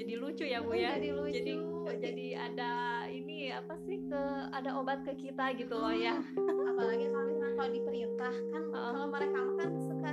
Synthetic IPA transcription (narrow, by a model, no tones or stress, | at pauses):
d͡ʒadilut͡ʃujaɡujadilud͡ʒat͡ʃdiud͡ʒadiadainiapasɪhkəadaʔobat̪̚kəkit̪aɡit̪ulɔjaapalaŋakaʔeakalodipəɾiut̪ahkanəʔəaoməɾekamakansəka